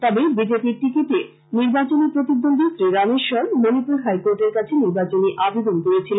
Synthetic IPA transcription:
t̪ɔbebid͡ʑepiɾʈikiʈe | niɾbat͡ɕonipɾot̪id̪ːond̪ʱit̪ɾeɾaneʃɔɾmonipuɾɦajkoɾʈeɾkat͡ɕʰeniɾbat͡ɕoniʔabed̪onkoɾet͡ɕʰilen

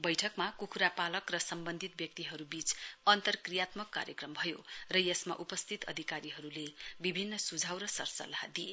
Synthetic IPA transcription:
bʌjʈʰʌkmakukʰuɾapalʌkrʌsʌmbʌnd̪ʱit̪̚bjʌk̚t̪iɦʌɾubit͡sʌnt̪ʌrkrijat̪mʌkːa̰ɾjekrʌmbʱʌjorʌjesma̰ʔupʌst̪ʰit̪ʌ̰d̪ʱikaɾiɦʌɾulebibʱinːʌsud͡zʱawɾʌsʌ̰rsʌ̰lːaha̰d̪ie

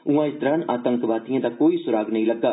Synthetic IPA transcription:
ũãːɪsd̪ɾənaːt̪ə̃ŋkʋaːt̪ijãd̪akoːisʊɾaːɡnəɦĩlɐɡːaː

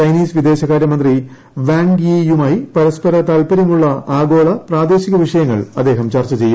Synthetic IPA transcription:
t͡ɕɐjniːsʋid̪e̞ːɕɐɣaːɾjɐmɐnd̪ri | ʋaːŋɡijumaːjipɐɾɐspɐɾɐt̪aːlpɐɾɐmuɭːɐaːɡo̞ːɭɐpraːd̪e̞ːɕiɣɐʋiʂɐjɐŋːɐɭɐd̪ːe̞ːɦɐmt͡ɕɐrt͡ɕːɐt͡ɕe̞jːum

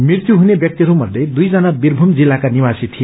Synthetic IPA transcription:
mirt̪juɦunebjʌk̚t̪iɾumʌd̪ʱːjed̪ujd͡zʌnabirbʱumd͡zilːakaniwasit̪ʰije

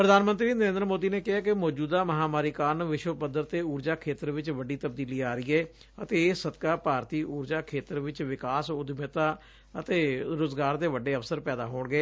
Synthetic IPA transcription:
pɾəd̪aːnmə̃nt̪ɾiːnəɾẽːnd̪əɾmoːd̪iːneːkɪɦaːkɪmɔːd͡ʒuːd̪aːməɦaːmaːɾiːkaːnʋɪʃwəpəd̪əɾt̪eːuːɾd͡ʒaːkʰeːt̪əɾʋɪt͡ʃʋəɖiːt̪əb̚d̪iːliːaːɾɪːɛː | ət̪eːsəd̪kaːpaːɾt̪iːʔuːɾd͡ʒaːkʰeːt̪əɾʋɪt͡ʃʋɪkaːsʊd̪mət̪aː | ət̪eːɾʊzɡaːɾd̪eːʋəɖeːəfsəɾpɛːd̪a̰ːɦoːɳɡeː

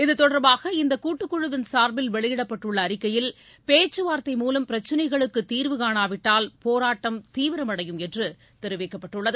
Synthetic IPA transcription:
ɪðɯt̪ːɔɽɐɾbaːɣɐɪnd̪ɐkuːʈːɯkːʊɻɯʋɪnsaːɾbɪlʋɛɭɪjɪɽɐpːɐʈːɯɭːɐːɾɪkːɐjɪl | peːt͡ʃːɯʋaːɾt̪ːɐɪmuːlɐmpɪɾɐt͡ʃːɪnɐɪɣɐɭɯkːɯt̪iːɾʋɯkaːɳaːʋɪʈːaːlpoːɾaːʈːɐmt̪iːʋɪɾɐmɐɽɐjɯmɛndrɯ | t̪ɛɾɯʋɛɪkːɐpːɐʈːɯɭːɐðɯ

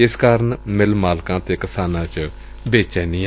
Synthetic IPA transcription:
ɪskaːɾənmɪlmaːlkãːt̪eːkɪsaːnãːt͡ʃ | beːt͡ʃɛːnĩː

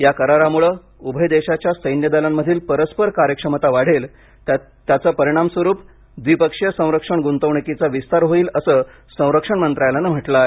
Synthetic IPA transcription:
jakəɾaɾamuɭəː | ubʱəjd̪eɕat͡ɕjasəjnjəd̪alamːəd̪ʱiːlpəɾəspəɾkaɾjəkʂəmət̪aʋaɽ̤el | t̪jat͡səːpəɾiɽ̃amsʋəɾuːp | d̪ʋipəkʂjəsə̃w̃ɾəkʂəɳɡunt̪əʋɳikit͡saʋist̪aɾɦoiːləsəː | sə̃w̃ɾəkʂəɳmənt̪ɾajlanəm̤əʈlae

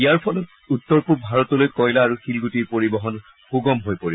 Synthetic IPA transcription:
ijaɹpʰɔlɔt̚ | utːɔɹpuɹbʱaɹɔtɔlojkɔjlaːɹuxilɡutiɹpoɹibɔɦɔn | xuɡɔmɦojpoɹib

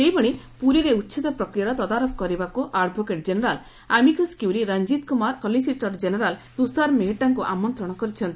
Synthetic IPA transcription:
ʃejbɔɽ̃e | puɾiɾeutːt͡ʃʰit̪ɔpɾɔkɾijaɾɔt̪ɔd̪aɾɔkʰkɔɾibakuʔaɖbʱokeʈ̚d͡ʒenɔɾal | amikɔskiwɾiɾand͡ʒit̪kumaɾkɔlisiʈɔɾd͡ʒeneɾalt̪ust̪aɾmeɦeʈaŋkuʔamɔnt̪ɾɔɽ̃ɔkɔɾit͡ʃʰɔnt̪i

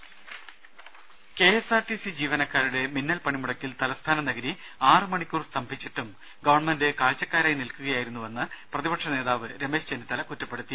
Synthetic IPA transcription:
ke̞esaːrʈisid͡ʑiːʋɐnɐkːaːɾuɽe̞minːɐlpɐɳimuɽɐkʲːilt̪ɐlɐst̪ʰaːnɐnɐɡɐɾi | aːrɨmɐɳikʲːuːrst̪ɐmbʱit͡ɕːiʈːum | ɡɐʋɐrɳmɐnde̞kaːlt͡ɕːɐkːaːɾaːjnilkuɣɐjaːjiɾunːuʋɐnːɨprɐðibɐʈʂɐne̞ːðaːʋɨɾeme̞ːɕt͡ɕenːit̪ːɐlɐkutːɐpːe̞ɽut̪ːi

